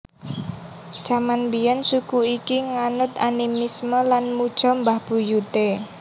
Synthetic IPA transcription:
d̥ʒ̥amanbijɔnsukuikiŋanʊt̪animisməlanmud̥ʒ̥ɔ̤mbahb̥ṳjut̪e

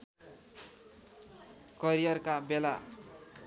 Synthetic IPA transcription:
kʌɾijʌrkabela

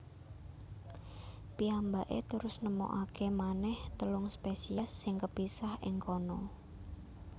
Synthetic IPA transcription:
piambaʔḛt̪əɾʊsnəmo̰ʔakʰemanɛht̪əlʊŋspesiasːɪŋkəpisahɪŋkɔnɔ

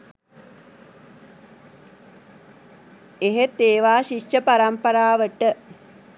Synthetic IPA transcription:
eɦet̪eːʋaːʃiʃəpaɾampəɾaːʋəʈə

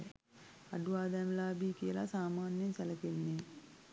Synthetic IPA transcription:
e | ɐɖuʋaːd̪æːmlaːbiːkijəla̰saːmaːnjemsɛlɐkenːe

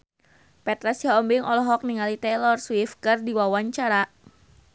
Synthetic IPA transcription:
pɛt̪ɾasjaɔmbiŋʔɔlɔɦɔk̚niŋalit̪ɛlɔrswifkɨrdiwawaɲt͡ʃaɾa

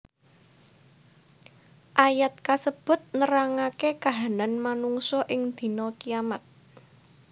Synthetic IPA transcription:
ʔajat̪̚kasəb̥ʊ̤t̪̚nəɾaŋakekaɦananmanuŋsɔʔɪŋd̪̥i̤nɔkijamat̪̚

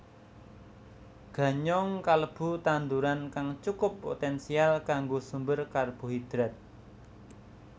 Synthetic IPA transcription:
ɡ̥a̤ɲɔŋkaləb̥ṳt̪and̪uɾankaŋt͡ʃukʊpːo̰t̪ɛnsialkaŋɡosumbərkarb̥o̤ɦid̪̥ɾɛt̪̚

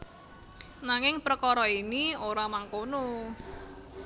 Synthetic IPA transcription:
naŋɪŋpɾəkɔɾɔinioɾamaŋkono

